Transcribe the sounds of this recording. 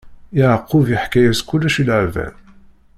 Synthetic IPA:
iʕəqːʊviħkæjæskulːæʃilʕvæ̰n

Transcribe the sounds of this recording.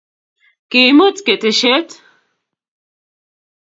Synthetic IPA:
kimut͡s̪ket̪eɕet̪

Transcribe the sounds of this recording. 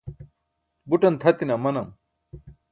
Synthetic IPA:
buʈɐnt̪ʰɐt̪inɐmɐnɐm

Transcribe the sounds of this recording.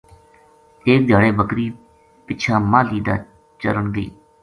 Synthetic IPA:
eːk̚d̪ʱjaːɽeːbəkɾiː | pɪt͡ʃʰãːmãːliːd̪a̰ː | t͡ʃə̰ɾəɳɡəḭː

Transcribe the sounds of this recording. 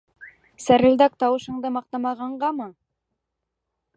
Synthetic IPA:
sæɾɘ̆ld̪æk̚t̪ɑwɤ̆ʃɤ̆ɴd̪ɤmɑq̚t̪ɑmɑʁɑɴɢɑmɤ

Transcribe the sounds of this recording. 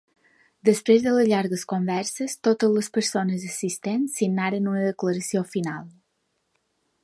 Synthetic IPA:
d̪əspɾezðələzʎaɾɣəskombɛɾsəst̪ot̪əzləspəɾsonəzəsist̪ensinːaɾənunəðəkləɾəsiofinalˠ

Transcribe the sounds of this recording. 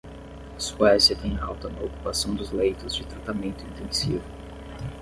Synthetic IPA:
ɐsuɛsiɐt̪ẽj̃awt̪ɐnɐoku̥pasɐ̃w̃d̪ʊzlejt̪ʊzd͡ʒɪt̪ɾat̪amẽnt̪ʊĩnt̪ẽŋsḭvʊ

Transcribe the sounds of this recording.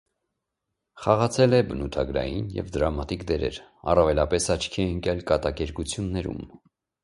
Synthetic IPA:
χɑʁɑt͡sʰɛlɛbənut̪ʰɑɡɾɑ̰jinjɛ̰vd̪əɾɑmɑt̪ikd̪ɛɾɛ̰ɾɑ̰rɑvɛlɑpɛsɑt͡ʃʰkʰiɛəŋkjɑlkɑt̪ɑkɛɾkut͡sʰjunːɛɾṵm

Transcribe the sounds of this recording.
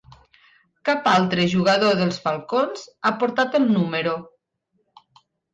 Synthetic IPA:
kapalˠt̪ɾeʒuɣaðoðəlˠzfalˠkonzapoɾt̪at̪elˠnuməɾo

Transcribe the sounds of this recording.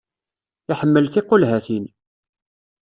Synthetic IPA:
ɪħəmːəlθɪqːolɦæθin

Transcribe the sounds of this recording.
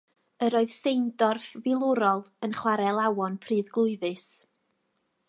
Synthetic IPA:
əɾoːɨð̥sejndɔrfvɪlˠʊɾɔlˠənχwaɾɛlˠawɔnpʰriːðɡlˠʊɨvɨs

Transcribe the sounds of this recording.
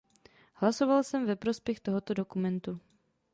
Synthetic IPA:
hlaso̞valsɛmvɛpɾo̞spjɛxt̪o̞ɦo̞t̪o̞do̞kumɛnt̪u

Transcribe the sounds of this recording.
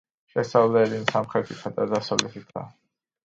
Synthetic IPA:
ʃɛsavlɛːlinsamχɾɛt̪ʰit̪ʰad̪azasɔlɛt̪ʰik̪ʰa̰

